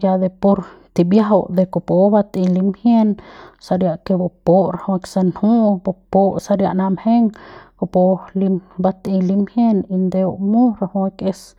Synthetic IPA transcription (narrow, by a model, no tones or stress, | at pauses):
jad̪epoɾt̪ibjaɦod̪ekopobat̪ilimhjensaɾjaʔkebopoʔɾahwaksanhubopoʔsaɾja̰ʔnamheŋkopolimbat̪ilimhjenind̪eoʔmuɾahwakes